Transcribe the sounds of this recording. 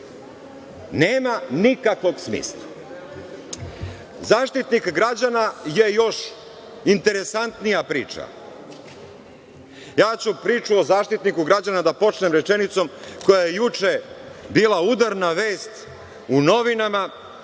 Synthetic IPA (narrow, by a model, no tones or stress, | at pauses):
neːmanikakʋo̞ɡsmḭːslˠa | zaːʃt̪it̪nikɡɾad͡ʑanaje̞jo̞ʃ | int̪e̞ɾe̞sant̪nijapɾiːt͡ʂa̰ | jaːt͡ɕupɾiːt͡ʃuozaːʃt̪it̪nikuɡɾad͡ʑanad̪apo̞t͡ʃnemɾet͡ʃe̞nit̪so̞mko̞jajejut͡ʃebiːlˠaud̪aɾnaʋe̞ːst̪ | uno̞ʋinama